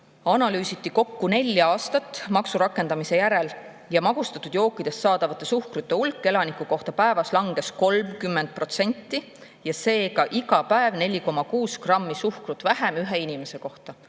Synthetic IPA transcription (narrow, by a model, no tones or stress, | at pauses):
ɑnɑlyːsit̪ːiko̞kːune̞lʲːɑːst̪ɑt̪ːˑmɑksuɾɑkːˑe̞nd̪̥ɑmise̞jæɾe̞l | jɑmɑɡ̥ust̪ɑt̪ːˑud̪jo̞ːkːˑid̪̥e̞ssɑːd̪ɑvɑt̪ːˑe̞suhkrut̪ˑːe̞ulkːˑe̞lɑnikːˑuko̞ht̪ɑpæe̞vɑslɑŋɡ̥e̞sko̞lmkymːend̪̥̚pro̞t̪se̞nʲt̪ːˑi | jɑse̞ːkɑʔiɡɑpæevne̞lʲiko̞mːɑkuːskrɑmːisuhkrut̪ːˑvæɦemyɦe̞inime̞se̞ko̞ht̪ɑ